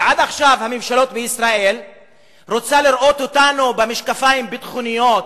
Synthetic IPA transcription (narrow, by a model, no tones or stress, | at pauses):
ʕad̪aχʃavhamimʃalo̞t̪̚beisɾaʔel | ɾot͡saliɾʔo̞t̪ot̪anubemeʃkafajimbet̪χunijot̪